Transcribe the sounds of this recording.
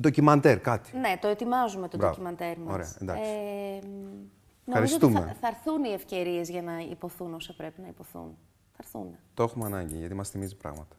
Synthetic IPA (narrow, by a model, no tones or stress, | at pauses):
d̪ocimɐnt̪eɾkɐt̪i̥ne̞t̪o̞e̞t̪imɐzumet̪obɾoimɐnd̪e̞ɾmɐoɾesɐend̪ɐ̰sei | noɐɾiszot̪umḛθɐɾθunie̞fce̞ɾie̞zʝɐnɐḭpo̞θuno̞sɐpɾe̞pinɐipo̞θṵn | θɐɾθṵnet̪oexumeɐnɐɲɟḭʝɐt̪imɐst̪imizipɾɐ̰ɣmɐt̪ɐ̥